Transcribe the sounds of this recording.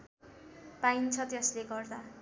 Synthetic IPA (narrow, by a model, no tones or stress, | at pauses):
paint͡sʰʌt̪esleɡʌrd̪a